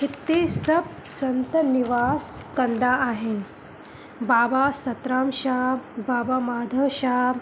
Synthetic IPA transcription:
ɦit̪ːesɐb̚ | sɐnt̪əniʋaːskɐnd̪aaɦen | baːbasɐt̪ɾaːmɕaːbaːbamaːd̪ʱəʃaː

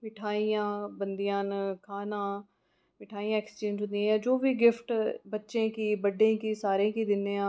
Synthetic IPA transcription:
mɪʈʰaːijãːbənd̪ijãːnkʰaːnãː | mɪʈʰaːijãːɛkst͡ʃẽːɲd͡ʒɦʊ̃nd̪ijãːjãːd͡ʒoːʋiːɡɪfʈbətːʃẽːkiːbəɖːẽːkiːsaːɾẽːkiːd̪ɪnẽːãː

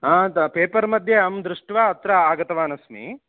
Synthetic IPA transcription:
aːpeːpɐɾmɐd̪ʱjeɐmd̪ɾuʂʈʋaːɐt̪ɾɐaːɡɐt̪ɐʋaːnɐsmḭ

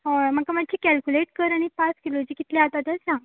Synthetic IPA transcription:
əmakamaɡ̚t͡ɕʰiːkɛlkuleʈkəɾaɽ̃ipaskilod͡ʑiːkit̪lẽat̪at̪əsãŋɡ

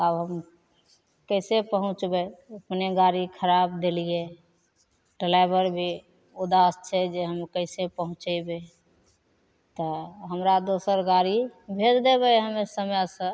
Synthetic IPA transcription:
abɦəm | kəɪsepəɦʊ̃t͡ʃbeəpneɡaɾikʰəɾabd̪elije | ʈelaɪbəɾbʱi | ud̪ast͡ʃʰɛd͡ʒeɦəmkəɪsepəɦʊ̃t͡ʃəbe | t̪ɔɦəmɾad̪osəɾɡaɾibʱed̪d̪ebəɦəmesəmjasə̃

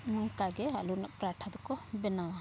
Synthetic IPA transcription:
ɔŋkaɡɛɦalunaʔpɾaʈʰad̪ɔkɔbɛna

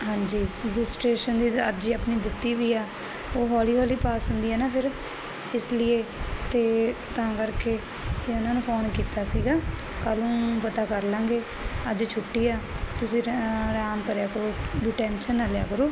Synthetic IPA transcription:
ɦãːɲd͡ʒiːɾɪd͡ʒɪsʈɾeːʃənd̪iːəɾd͡ʒiːəpniːd̪ɪt̪ːiːʋiːaː | oːɦɔːliːʋaːliːpaːsɦʊ̃nd̪iːɛːnaːpʰɪɾ | ɪslɪeːt̪eːt̪ãːkəɾkeː | t̪eːʊnaːnũːpʰoːnkiːt̪aːsiːɡaː | kəlũːpət̪aːkəɾlãːɡeː | əd͡ʒt͡ʃʰʊʈːiːaːt̪ʊsĩːɾaːmkəɾjaːkəɾoːɖɪːʈɛ̃ːnʃənːaːlja̰ːkəɾoː

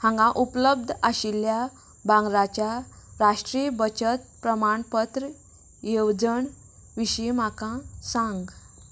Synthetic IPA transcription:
hãŋɡãʔupləb̚d̪ʱaɕilja | bãŋɡɾat͡ɕja | ɾaʂʈɾibət͡ɕət̪̚pɾəmaɳpət̪ɾə | jewd͡zəɳ | ʋiɕimakãsãŋɡ

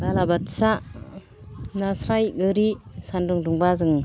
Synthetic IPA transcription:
balabatsa | nasɾajɡɯɾisandɯŋduŋbazɯŋ

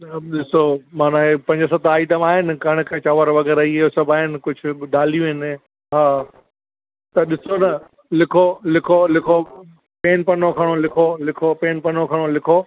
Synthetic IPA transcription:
ɗɪsomãːnaepɐ̃ɲd͡ʑəs̬ɐt̪aːiʈəmaːɦɪnɪ̆kɐɽ̃ɪ̆kɐt͡ɕaːʋəɾʋɐɣɛːɾaiɪɦosɐbʱaːɦɪnɪ̆kʊd͡ʑʱʊ̆ɗaːlijũɦɪn | ɦaː | t̪ɐɗɪsonɐ | lɪkʰolɪkʰolɪkʰo | peːnpɐnokʰɐɽ̃olɪkʰolɪkʰopeːnpɐnokʰɐɽ̃olɪkʰo

